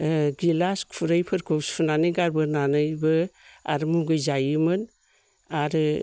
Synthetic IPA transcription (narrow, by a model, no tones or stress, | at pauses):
ɡilaskʰpʰuɾɯjpʰɯɾkʰowspʰunaniɡaɾbɯnanɯjbɯa̰ɾɯmuɡɯjzajɯmɯn | aɾɯ